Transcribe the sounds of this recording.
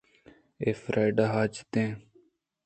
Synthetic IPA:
eːfɾʔaːjɖaːɦaːd͡ʒt̪ẽː

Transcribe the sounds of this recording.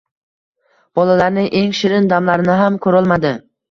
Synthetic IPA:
b̥ɒlalaɾnɪʔe̞ŋʃɪɾɪnd̪amlaɾɪnɪɦamkʰɵɾɒlˠmad̪ɪ

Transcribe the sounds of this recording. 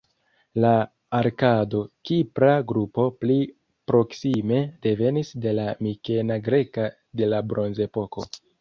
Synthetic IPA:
laː | ɾkado̞kipɾaɡɾupo̞pli | pɾo̞ksime̞de̞ve̞nisde̞lamike̞naɡɾe̞ka | de̞labɾo̞nze̞po̞ko̞̰

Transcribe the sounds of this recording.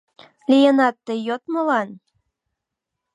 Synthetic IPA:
lʲijənɑt̪ːɤjot̪mɤ̆lɑn

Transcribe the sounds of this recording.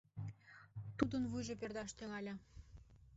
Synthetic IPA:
t̪ud̪ə̆nvujʒĕperd̪ɑʃt̪ɘ̆ŋɑlʲɑ

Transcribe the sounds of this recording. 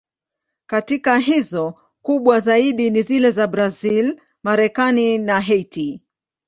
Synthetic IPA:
katikaɦizɔ | kuɓwazaiɗinizilɛzabɾazil | maɾɛkaninaɦɛti

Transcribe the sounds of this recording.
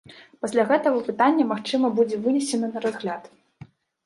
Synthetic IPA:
pasʲlʲaɣɛt̪ɐɣɐpɨt̪anʲːɐmaxt͡ʂɨmɐbud͡zʲɛvɨnʲɛsʲɛnɐnɐɾazɣlʲat̪

